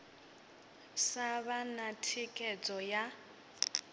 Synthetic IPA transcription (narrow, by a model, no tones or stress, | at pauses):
saβanatʰikʼɛd͡zʼɔja